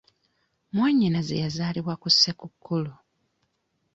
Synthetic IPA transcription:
mwaːɲːinazḛjazaːliβwakusːekukʰːulu

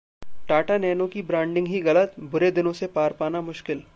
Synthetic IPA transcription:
ʈaːʈanɛːnõkibɾãːɳɖɪ̃ŋɡɦiɣɐlət̪bʊɾed̪ɪnõsepaːɾpaːnamʊʃkɪl

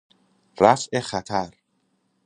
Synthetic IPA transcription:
ræfʔexæt̪ʰæɾ

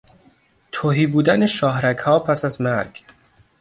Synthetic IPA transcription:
t̪ʰoɦiːbuːd̪æneʃɒːɦɾækʰhɒːpʰæsæzmæɾɡ̥

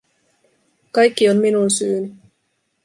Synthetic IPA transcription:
kɑjkːionminunsyːny

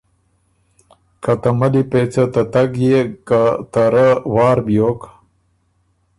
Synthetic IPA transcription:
kat̪amalipet͡sat̪at̪aɡjekat̪aɾawɑːɾbjoːk

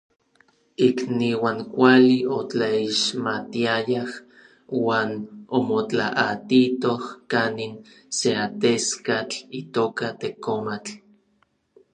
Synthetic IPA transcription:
ikniwaŋkʷaliot͡ɬaiʃmat̪iajah | waːnomot͡ɬaʔat̪it̪ohkanin | seat̪eskat͡ɬit̪oːkat̪ekomat͡ɬ

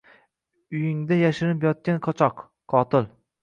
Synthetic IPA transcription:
ʊjɪŋd̪ajaʃɪɾɪpjɒt̪̚kʲanqʰɒt͡ʃʰɒqʰː | ɒt̪ɪl

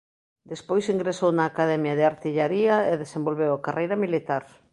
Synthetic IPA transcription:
d̪espojsiŋɡɾesownaːkaðɛmjaðeaɾt̪iʎaɾiaeðesembolβewakarejɾɐmilit̪aɾ

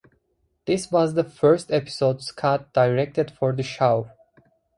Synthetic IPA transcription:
ð̥ɪswɔzðəfɜ˞stɛpɪ̥sodskʰat̚d̥aɪɹɛk̚tɨdfɔɹðəʃaʊ

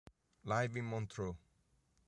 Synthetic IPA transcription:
lajvimɔnt̪ʰɾo

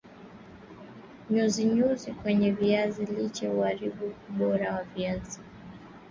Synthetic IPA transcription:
ɲuziɲuzikwɛɲɛviazilit͡ʃɛuaɾiɓuuɓɔɾawaviazi

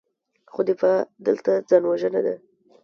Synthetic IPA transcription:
xod̪ɪfɑd̪əlt̪ad͡zɑnwaʒənad̪a

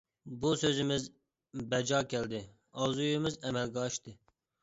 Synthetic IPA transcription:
busøzɪmɪz | bɛd͡ʒɑːkʲɛld̪ɪ | ɑwzujmɪzɛmɛlɡʲɛɑʃt̪ɨ

